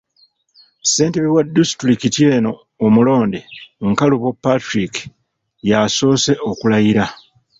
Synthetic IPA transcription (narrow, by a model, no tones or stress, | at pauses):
se̞ːnteβiwadːisitulikitjeːno̞ː | mulo̞ːndeŋkaluβopːatɾiki̥ | jaso̞ːse̞ʔokulajiɾa